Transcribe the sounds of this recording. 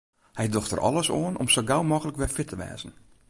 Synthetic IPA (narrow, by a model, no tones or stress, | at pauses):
hɛjdoxtə̰rʔɔ̰lˠəsoəno̰msoɡawmɔkələkʋɛfɪtʰəʋɛ̰ːzən̩